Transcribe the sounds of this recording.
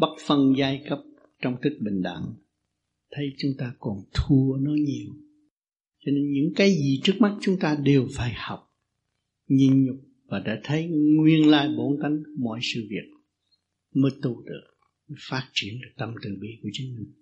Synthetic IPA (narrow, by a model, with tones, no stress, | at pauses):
ɓa˦˥t̚fə˧nzaː˧jkə˦˥p̚ | t͡ɕɔ˧wŋ͡mt̪ʰï˦˥k̚ɓï˨˩ŋ̟ɗa̰˧˨ŋ | t̪ʰə˨˦jt͡ɕʊ˨˦ŋ͡mt̪aː˧kɔ˨˩nt̪ʰu˧ənɔ˨˦ɲi˨˩əw | t͡ɕɔ˧ne˧nɲɨ̰˧˥ŋkaː˨˦jzi˨˩t͡ɕɨ˦˥ək̚ma˦˥t̚t͡ɕʊ˨˦ŋ͡mt̪aː˧ɗe˨˩wfaː˧˩jhɔ˨˩wk͡p̚ | ɲi˧nɲʊ˨˩k͡p̚ | vaː˨˩ɗa̰ː˧˥t̪ʰə˨˦jŋwi˧ənlaː˧jɓo˧˦nka˨˩jŋ̟mɔ̰˧˨jsɨ̰˧˨vi˨˩ək̚ | məː˨˦jt̪u˨˧˩t̪ɨ̰˧˨ | ɲɨ˨˦faː˦˥t̚t͡ɕi˧˩ənla˨˩t̪ə˨˩mt̪ɨ̰˧˨ɓḭ˧ku˧˩ət͡ɕɨ˨˦ŋmï˨˩ŋ